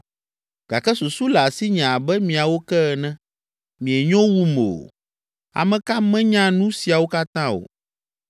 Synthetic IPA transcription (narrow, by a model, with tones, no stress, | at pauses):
ɡ̥a˨kɛ˦su˨su˦la˨si˦ɲã˨bɛ˦mĩ˨a˨wo˦kɛ˦ɛ˨nɛ̃˦ | mĩ˨ɛ˨ɲɔ̃˦wu˦me˨o̰˨ | a̰˨mɛ̃˨ka˦mɛ̃˦ɲã˦nũ˦si˨a˨wo˦ka˦t̪ã˦o̰˨